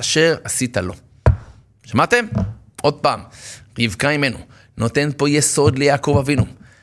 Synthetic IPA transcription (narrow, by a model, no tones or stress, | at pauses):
aʃe̞ʁasit̪alo̞ | ʃamat̪e̞mʔo̞d̪̚paːmʁivkaime̞nṵ | no̞t̪e̞npo̞jeso̞d̪lejaːko̞vavinu